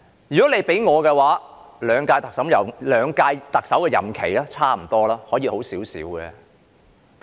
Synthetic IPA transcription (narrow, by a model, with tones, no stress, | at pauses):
jy˨kɔː˨˥ne˨˧jpe˨˥jŋɔː˨˧kɛ˧waː˨˥ | lœː˨˧ŋkaː˧jt̪ɐ˨ksɐ˨˥mjɐ˨˩wlœː˨˧ŋkaː˧jt̪ɐ˨k̚sɐ˨˥wkɛː˧jɐ̰˨˩mkʰe˨˩jlɛː˥t͡sʰaː˥m̩˨˩t̪ɔː˥laː˥hɔː˨˥jiː˨˧ho˨˥wsiː˨˥wsḭː˨˥wɡɛ̰ː˨˧